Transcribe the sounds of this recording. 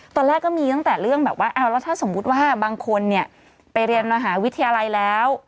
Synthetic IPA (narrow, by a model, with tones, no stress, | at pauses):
t̪ɔː˧nlɛː˥˩kːɔː˥˩miː˧t̪a˥˩ŋt̪ɛː˨˩ɾɯ˥˩əŋbɛː˨˩p̚waː˥˩ʔaː˧˩wlɛː˦˥wt̪ʰaː˥˩so˩˦mːu˦˥t̪̚waː˥˩baː˧ŋkʰo˧nːi˥˩ə | pa˧jɾi˧ənmaː˧ɦaː˩˦wi˦˥t̪ʰːa˧jaː˧la˧jlɛː˦˥w